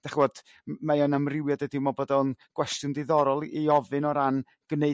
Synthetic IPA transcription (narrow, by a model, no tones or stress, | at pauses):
d̥aχɔd̥ | majɔnamrɪwjɔdədimɔbɔdaɔnɡ̥wɛstjʊndɪðɔɾɔlˠʔiɔvɨnɔɾan | ɡ̥neɨ